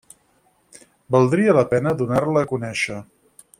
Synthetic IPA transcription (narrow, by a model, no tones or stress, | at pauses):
bəlˠd̪ɾiələpɛnəðunarləːkunɛʃə